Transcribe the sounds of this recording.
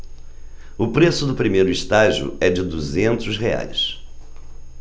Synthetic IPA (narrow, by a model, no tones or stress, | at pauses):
ʊpɾesʊd̪ʊpɾimejɾʊist̪aʒiʊ̰ɛd͡ʒɪd̪uzẽnt̪ʊsɦea̰js